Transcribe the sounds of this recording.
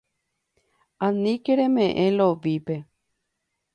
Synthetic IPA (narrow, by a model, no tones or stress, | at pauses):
ãnĩkeɾẽmẽʔẽloʋipe̞